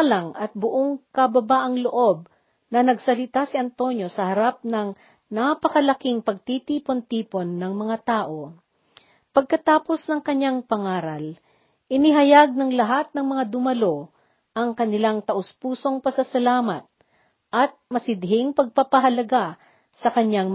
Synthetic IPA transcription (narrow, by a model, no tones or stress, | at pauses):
lɐŋɐt̪̚bʊʔo̞ŋkɐbɐbaːʔɐŋloʔo̞b̚ | nɐnɐɡsɐlɪt̪asiɐnt̪o̞njo̞sɐhɐɾap̚nɐŋ | napɐkɐlɐkiŋpɐɡ̚t̪it̪iːpo̞nt̪iːpo̞nːɐŋmɐŋat̪aːʔo̞ | pɐɡ̚kɐt̪aːpo̞snɐŋkɐɲːaŋpɐŋaːɾɐl | ʔɪnɪɦɐjaɡ̚nɐŋlɐɦat̪̚nɐŋmɐŋad̪ʊmɐlo̞ | ʔɐŋkɐnɪlaŋt̪ɐʔʊspuːso̞ŋpɐsɐsɐlaːmɐt̪̚ | ʔɐt̪̚mɐsɪd̪̚ɦɪŋpɐɡ̚papɐɦɐlɐɡa | sɐkɐɲaŋ